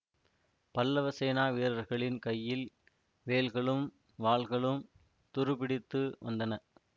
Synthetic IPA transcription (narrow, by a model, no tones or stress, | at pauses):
pɐlːɐʋɐseːnaːʋiːɾɐɾɣɐɭɪnkɐjːɪl | ʋeːlɣɐɭɯm | ʋaːɭɣɐɭɯm | t̪ʊɾɯpɪɽɪt̪ːɯʋɐ̰nd̪ɐnɐ